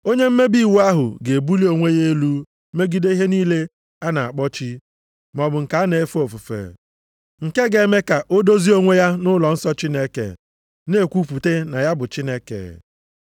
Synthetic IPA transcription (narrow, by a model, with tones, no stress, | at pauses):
o˦ɲe˦m̩˦me˦bi˦˨wu˦a˦ɦʊ̰˨ɡe˨bu˦li˦o˦ŋʷe˦je˦e˦lu˦ | me˦ɡi˦de˦i˦ɦe˦niː˦le˦ | a˦na˨a̰˨k͡pɔ˦t͡ʃi˦ | m˨ɔ˨bʊ˨ŋ̩˨ka˨˦a˦ne˨e˦fu˦o˨fu˨fḛ˨ | ŋ̩˨ke˦ɡe˨˦me˦ka˨ʔo˦do˦zi˦o˦ŋʷe˦ja˦nʊ˦lɔ˨n̩˦sɔ˦t͡ʃi˦ne˦kḛ˨ | ne˦˨kʷu˦pu˨te˦na˨ja˦bʊ˨t͡ʃi˦ne˦kḛ˨